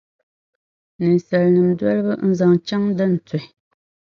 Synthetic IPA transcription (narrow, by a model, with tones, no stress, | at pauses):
nɨ˨n˨sɛ˨lnɨ˨mdwa˦lbɨ˦n̩˦za˨ŋt͡ʃa˦ŋdɨ˦n̩˨tʊ˨ɪ˨